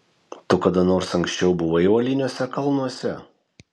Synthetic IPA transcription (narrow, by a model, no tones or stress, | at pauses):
t̪ʊkɐd̪ɐnoːɾsɐŋksʲt͡ʃʲɛʊbʊʋɐɪʊɐlʲɪnʲoɔsʲɛkɐlˠnuɔsʲɛ